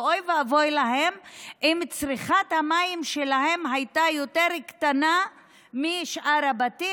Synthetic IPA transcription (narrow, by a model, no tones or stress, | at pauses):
ojveavojlaɦemʔimt͡sʁiχathamaimʃelaɦe̞mɦajtajoteɾkt̪ana | miʃʔaɾabati